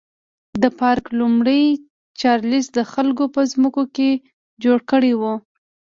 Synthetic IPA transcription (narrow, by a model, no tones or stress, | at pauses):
d̪əpɑɾklumɽəj | t͡ʃɑɾlisd̪əxalk̬opəzməkoke | d͡ʒoɽkəɽewu